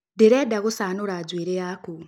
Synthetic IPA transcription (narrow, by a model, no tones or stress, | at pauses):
deɾedaɣosanoɾad͡ʒwiːɾejaku